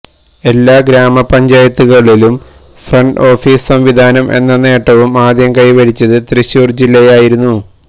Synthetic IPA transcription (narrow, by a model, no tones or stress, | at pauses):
e̞lːaːɡɾaːmɐpɐɲd͡ʑaːjɐt̪ːuɣɐɭilum | frɐɳɖo̞ːfiːssɐmʋid̪ʱaːnɐmʔe̞̰nːɐne̞ːʈːɐʋumaːd̪jɐmkɐjʋɐɽit͡ɕːɐðɨt̪riɕjuːrd͡ʑilːɐjaːjiɾunːu